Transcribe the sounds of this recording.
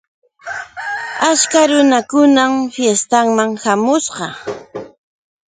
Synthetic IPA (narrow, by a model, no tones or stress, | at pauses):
at͡ʃkaɾʊnakʊnamfjest̪aŋmaŋhamʊsqɑ